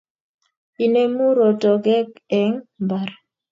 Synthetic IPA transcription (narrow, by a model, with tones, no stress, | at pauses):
i˨ne˦mu˦ɾo˨to˨ɡɛ˦kɛ˨ŋba˨ɾ